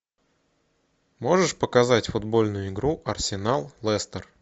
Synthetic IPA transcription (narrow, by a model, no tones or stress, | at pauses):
mo̞ʐɨʂpəkɐzatʲfʊd̪bo̞lʲnʊjʊɪɡɾuʔɐrsʲɪnalˠlˠɛst̪ər